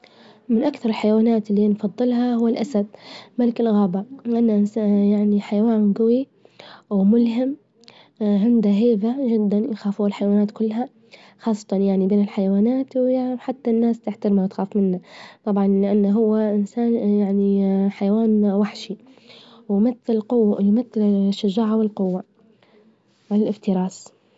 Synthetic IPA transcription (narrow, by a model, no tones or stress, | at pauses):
mɪnʔakθɑɾˤɪlħajwaːnaːt̪ɪlːinfɑðˤːɨlɦahʊwːalʔasad̪̚malɪkɪlɣaːbaʔanːaʔnjaʕniħajawaːnɡawi | wmʊlɦɪm | ɦɪnd̪aɦeːðaʒɪd̪ːanjaxaːfuːalħajawaːnaːt̪kʊlːɦa | xɑːsˤːɑ̥t̪ɑnjaʕnibeːnɪlħajawaːnaːt̪wjaʕħat̪ːanːaːst̪ɪħt̪aɾmawt̪xaːfmɪnːat̪ˤɑbʕɑnlɪʔanːɦʊwːaʔɪnsaːnjaʕniħajawaːnwaħʃi | wmaθːɪlqʊjmaθːɪlʃːaʒaːʕawɪlqʊwːa | ʕalalʔɪft̪ɪɾɑːs